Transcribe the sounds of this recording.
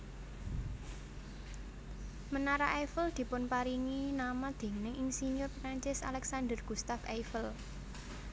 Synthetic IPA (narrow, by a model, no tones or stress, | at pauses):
mənaɾaʔefəld̪̥i̤pʊnpaɾiŋinamad̪̥e̤ŋnɪŋiŋsiɲʊrpɾaɲt͡ʃɪsa̰lɛksand̪ərɡ̥ṳst̪afajfəl